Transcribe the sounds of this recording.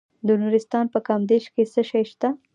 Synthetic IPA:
d̪ənuɾɪst̪ɑnpəkɑmd̪eʃkesəʃajʃt̪a

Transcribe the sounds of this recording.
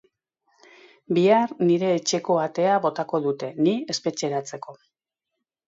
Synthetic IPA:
biarniɾe̞ːt͡ʃe̞ko̞at̪e̞aβo̞t̪ako̞ðut̪e̞nie̞spe̞t͡ʃe̞ɾat͡se̞ko̞

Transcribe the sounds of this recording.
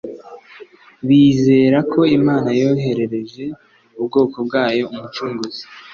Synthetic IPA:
βiːze̞ːɾakʰo̞imaːnajo̞ːɦe̞ɾe̞ɾe̞ʒe̞ | ubɡo̞ːko̞b̚ɡaːjo̞umut͡ʃuːŋɡuzi̥

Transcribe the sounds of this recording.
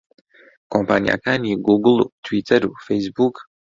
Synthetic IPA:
kɔmpaːnʲija̰kaːnʲiːɡuɡlˠut̪vit̪ɛɾufɛjzbuk

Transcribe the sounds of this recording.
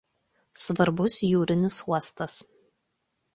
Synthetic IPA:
sʋɐɾbʊsjuːɾʲɪnʲɪsuɔst̪ɐs

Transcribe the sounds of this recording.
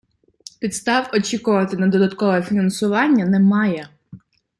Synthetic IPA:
pʲit̪st̪ɑwɔt͡ʃʲikʊʋɐt̪ɪnɐd̪ɔd̪ɐt̪kɔʋɔɛfʲinɐnsʊʋɑnʲːɐnɛmɑjɛ

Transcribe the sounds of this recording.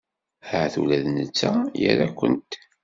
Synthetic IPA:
həʕθulæðnət͡sːæjə̰ɾækʷːə̰nt̪

